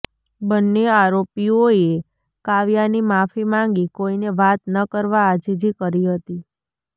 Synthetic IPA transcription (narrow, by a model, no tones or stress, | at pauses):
bənːeaɾopioe | kaʋjanimafimãŋɡikoineʋat̪nəkəɾʋaːd͡ʒid͡ʒikəɾiɦət̪i